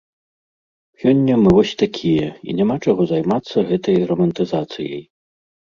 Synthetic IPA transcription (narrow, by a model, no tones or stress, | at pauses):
sʲɔnʲːɐmɨvɔsʲt̪akʲʰijɛḭnʲɛmat͡ʂaɣɔzajmat̪sːɐɣɛt̪ɐjrɐmɐnt̪ɨzat̪sɨ̰jɐ̰j